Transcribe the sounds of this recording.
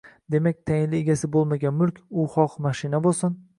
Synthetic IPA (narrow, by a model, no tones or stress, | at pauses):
d̪e̞mak̚ʲt̪ʰajɪnlɪeɡʲasɪbolˠmaɡʲanmʊlˠkʲʰʊχɒqmaʃɪnabosʊn